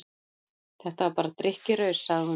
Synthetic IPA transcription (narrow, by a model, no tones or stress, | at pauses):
θɛht̪avaɾpaːɾat̪ɾɪhcɪɾœɥsːaɣðɪhu